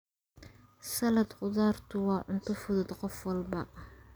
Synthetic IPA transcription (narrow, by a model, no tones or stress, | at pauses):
sɐlɐd̪qʊðaːrt̪ʰʊwɑːʕʊnt̪ʰʊfʊðʊd̪qɔfwɑlbɐ